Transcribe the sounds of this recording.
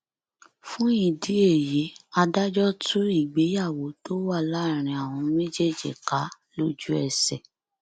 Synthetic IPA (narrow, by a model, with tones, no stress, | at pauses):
fũ˦ĩ˦˨di˨˦e˦˨je˨˦a˧da˦d͡ʒɔ˦tʰũ˦i˦˨ɡ͡be˨˦ja˦˨wo˨˦to˦wa˦˨la˦˨ɾ̃ĩ˧a˨w̃ɔ̃˧mẽ˦d͡ʒe˦˨d͡ʒi˨ka˨˦ | lo˦d͡ʒu˦ɛ˧˨sɛ˨